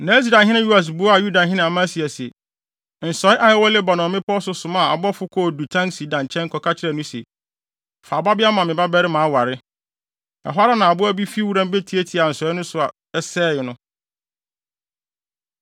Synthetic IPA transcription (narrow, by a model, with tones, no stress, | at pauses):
nã˨˦s̬da˨ɦɪ̃˦nã˦ju˦a˨s̬bʊ˦a˨ju˦da˨ɦɪ̃˦nɪ̃˨mã˦si˨ɛ˨sɛ˨ | n̩˨sɔ˨˦ɪ˦ʔa˨jɪ˦wɔ˦le˦ba˨nɔ̃˨mɪ̃˦pʰɔ˦sʊ˦sʊ̃˨mã˦˨a̰˨bɔ˦fʊ˦kʰɔ˦˨du˨tʰã˦ŋsi˨dã˨n˨t͡ɕʰɛ̃˦ŋ˦kʰɔ˨kʰa˦t͡ɕʰɪ˦ɾɛ˨nʊ̃˦sḛ˨ | fa˨ba˦bɪ˦a˦mã˨mɪ̃˨ba˦bɛ˦ɾɪ˦mãː˨˦wa˨ɾɪ˦ | ɛ̰˨ɦwa˦ɾa˦nã˨a˨bʊ˦æ˦bi˦fi˦wu˦ɾã˦m˦be˦tʰi˨˦e˦tʰi˨a˨n̩˨sɔ˨˦ɪ˦nʊ̃˦sʊ˨a˨ | ɛ˦sɛː˦jɪ˨nʊ̃˦